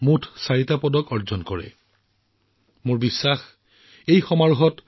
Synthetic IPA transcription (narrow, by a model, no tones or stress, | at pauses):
mutʰsaɹitapɔdɔkɔɹzɔnkɔɹɛ̰ | mʊɹbisːax | ejxɔmaɹuɦɔt